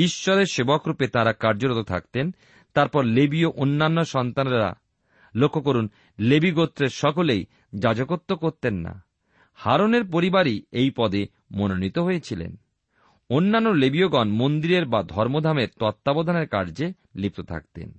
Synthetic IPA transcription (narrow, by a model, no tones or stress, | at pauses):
iʃːɔɾeɾʃebokɾupet̪aɾakaɾd͡ʑoɾot̪ot̪ʰa̰kt̪en | t̪aɾpɔɾlebioʔonːanːoʃɔnt̪anɾa̰ | lokʰːokoɾun | lebiɡot̪ːɾeɾʃɔkolej | d͡ʑad͡ʑokot̪ːokoɾt̪enːa̰ | haɾoneɾpoɾibaɾiejpɔd̪e | mononit̪oɦojet͡ɕʰilḛn | onːanːolebioɡɔnmond̪iɾeɾbad̪ʱɔɾmod̪ʱameɾt̪ɔt̪ːabod̪ʱaneɾka̰ɾd͡ʑe | lip̚t̪ot̪ʰa̰kt̪ḛn